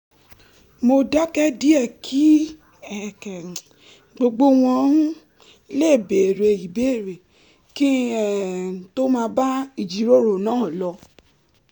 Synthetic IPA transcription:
mo˧da˦kɛ˦di˦ɛ˦˨kʰi˦ | ɛ˨kɛ˨ | ɡ͡bo˧ɡ͡bo˦w̃ɔ̃˧˦ | le˦˨be˨ɾe˧i˨be˦˨ɾe˨ | kĩ˦˨ | to˦mãː˧ba˦i˨d͡ʒi˨˦ɾo˦˨ɾo˨nãː˦˨lɔ˧

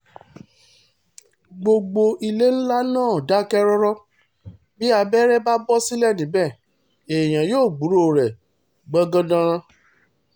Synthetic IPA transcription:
ɡ͡bo˧ɡ͡bo˧ʔi˧le˦n̩˦la˦nãː˦˨da˨˦kɛ˦ɾɔ˦ɾɔ˦ | bi˦a˧bɛ˦ɾɛ˦ba˦bɔ˦si˦lɛ˦˨nĩ˨˦bɛ˦˨ | e˨j̃ã˨joː˦˨ɡ͡bu˨˦ɾo˦˨ɾɛ˨ | ɡ͡bɔ˦ɡã˦dã˧ɾ̃ã˧

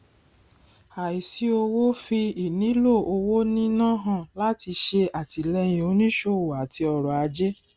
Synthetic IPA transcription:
a˨i˨si˨˦o˧wo˦fi˧i˦˨nĩ˨˦lo˦˨ʔo˧wo˦nĩ˦nã˦˨ɦã˦˨la˦ti˧ʃe˧a˨ti˨˧lɛ˧j̃ĩ˨o˧˦nĩ˦ʃo˧˦˨wo˨a˨ti˧ɔ˧ɾɔ˨a˧d͡ʒe˦

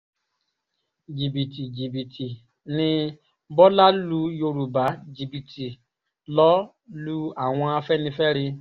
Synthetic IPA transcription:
d͡ʒi˨bi˨ti˨d͡ʒi˨bi˨tʰi˨ | nɪ̃˧ | bɔ˦la˦lu˧jo˧ɾu˨ba˨˦d͡ʒi˨bi˨tʰi˨ | lɔ˦ | lu˦a˦˨w̃ɔ̃˧a˧fɛ˦nĩ˧fɛ˦ɾɪ˧

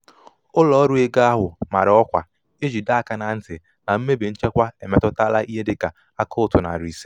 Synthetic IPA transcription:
ʊ˦lɔ˨˦ɾu˦e˦ɡa˦a˦ɦʊ˨ma˨ɾɪ˨ɔ˦kʷa̰˨ | e˦d͡ʒi˨da˦a˨ka˨na˨n̩˦tɪ˨ | na˨m̩˦me˦be˨n̩˦t͡ʃe˦kʷa˦e˨me˦tɔ˦ta˦la˦ʔi˦ɦe˦dɪ˨ka˨ | a˦kɔ˦ʊ˨tʊ˨na̰˨ɾi˨si˦

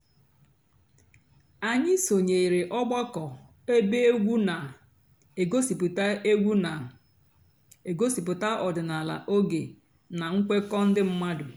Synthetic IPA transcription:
a˨ɲɪ˦so˨ɲe˨i˨ɾe˨ʔɔ˦ɡ͡ba˦kɔ˨ | e˦be˦e˦ɡʷu˦na˨ | e˨ɡo˦si˨pʊ˨ta˦e˦ɡʷu˦na˨ | e˨ɡo˦si˨p̬ʊ˨ta˦ʔɔ˨dʊ˨na˨la̰˨ʔo˦ɡe˨ | na˨ŋ̩˦kʷe˦kɔ˦n̩˦dɪ˦m̩˦ma˦dʊ˨

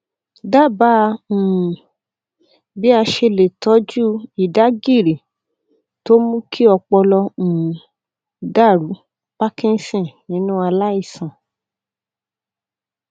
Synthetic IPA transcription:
da˦˨bã˦˧˨ | bi˦a˧ʃe˧le˨tɔ˨˦d͡ʒu˦i˨da˨˦ɡi˦˨ɾi˨ | to˦mũ˦kʰi˦ɔ˧k͡pɔ˧lɔ̃˧˨ | da˦˨ɾu˨˦ | pa˦kĩ˦n˦sĩ˦˨nĩ˨˦nũ˦a˧la˦i˦˨sã˨

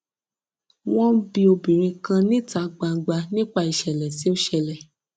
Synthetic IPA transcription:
w̃ɔ̃˦bĩ˦o˧bĩ˨ɾ̃ĩ˧kã˧nĩ˦ta˨˦ɡ͡ba˧ɡ͡ba˧nĩ˦k͡pa˧˨i˨ʃɛ˨lɛ˨si˨˦o˦ʃɛ˧lɛ˨

